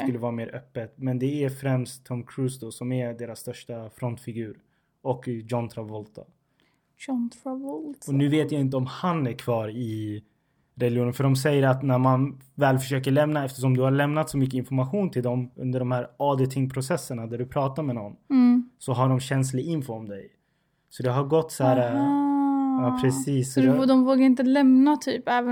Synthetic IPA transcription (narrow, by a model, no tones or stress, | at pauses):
skɵlːəvɑːɾameːɾʔœpːət̪mɛnd̪ɛæɾfɾɛmst̪ʰːɔmkʰɾʉːsd̪ɔsɔmæd̪eːɾasːt̪œʂʈafɾɔnt̪fɪɡʉ̟ːɾ | ɔkjɔnt̪ʰɾavɔlt̪ɔ̰ | nvɔɔnʉ̟ːveːt̪jaɪnt̪̬əɔmhanæɾkʰvɑːɾɪ | ɾɛlɪuːnənfœɖɔmsɛjːəɾat̪næɾmanvɛːlfœʂøːkəɭɛmnaɛft̪ə̥ʂɔmd̪ɵhaɭɛmnat̪sɔmʏkːəɪnfɔɾmaɧuːnt̪ʰɪld̪ɔmɵ̰nd̪əɖɔmhæːɾɑd̪ɛt̪ʰɪŋpʰɾʊsɛsːəɳad̪æɖɵpʰɾɑːt̪amɛnɔnːsɔɦaɖɔmɕɛnslɪɪnfɔɔmd̪ɛj | sɔd̪ɛɦaɾɡɔt̪ːsæːɾa | ɑpʰɾɛsiːsːɔd̪ɔmvoːɡaɾɪnt̪əlɛmnat̪ʰyːpɛːv